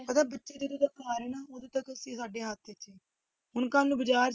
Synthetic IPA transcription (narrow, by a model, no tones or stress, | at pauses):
pət̪aːbətːʃeːd̪eːt̪ut̪əkaːɾɛːnaːoːd̪oːt̪əkəsĩːsaːɖeːɦat̪ʰːet͡ʃeː | ɦʊnkaːnnũːbəd͡ʒaːɾ